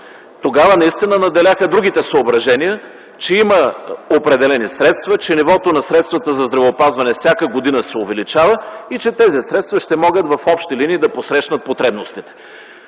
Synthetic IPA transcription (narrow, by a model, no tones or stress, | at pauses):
t̪oɡavənɐist̪inənɐd̪ɛlʲaxəd̪ɾuɡ̟it̪ɛsəobɾɐʒɛnijə | t͡ʃɛiməopɾɛd̪ɛlɛnisɾɛt̪st̪vɐt͡ʃɛnivɔt̪onɐsɾɛt̪st̪vət̪əzɐzd̪ɾɐvɛopazvɐnɛfsʲjakəɡod̪inəsɛovɛlit͡ʃavəit͡ʃɛt̪ɛzisɾɛt̪st̪vɐʃt̪ɛmɔɡət̪vɐfɔpʃt̪iliniːd̪ɐposɾɛʃnət̪̚pot̪ɾɛbnost̪it̪ɛ̥